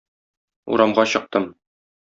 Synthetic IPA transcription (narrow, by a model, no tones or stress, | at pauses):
ṵɾɑmʁɑɕɤ̆q̚t̪ɤm